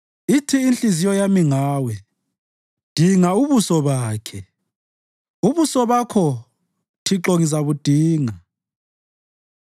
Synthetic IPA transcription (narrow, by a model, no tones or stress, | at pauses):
itʰiːnt͡ɬʼizijɔjamiŋaːwɛ | d̥ʱiŋauβusɔβaːkʰɛ | uβusɔβakʰɔ | tʰiǁoŋizaβud̥ʱiːŋa